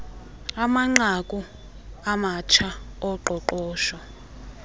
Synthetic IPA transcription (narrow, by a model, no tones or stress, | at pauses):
amaŋ͡ǀakʼu | amat͡ʃʰaɔǃɔǃɔːʃɔ